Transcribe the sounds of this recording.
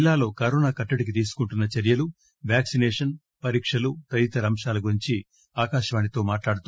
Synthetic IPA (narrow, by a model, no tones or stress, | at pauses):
lːaːlo̞ːkɐɾoːnaːkɐʈːɐɽik̬it̪̬iːsu̥kuɳʈunːɐt͡ʃɐɾjɐlu | ʋjaːksinɛːʂɐn | pɐɾiːkʂɐlut̪ɐɾit̪ɐɾɐmʂaːlɐɡuɾiɲt͡ʃi | aːkaːʃɐʋaːnit̪o̞ːmaːʈlaːɽut̪u